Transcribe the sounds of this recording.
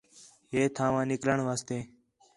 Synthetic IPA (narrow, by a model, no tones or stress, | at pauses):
ɦeːt̪ʰãːʋãːnɪkləɳʋaːst̪eː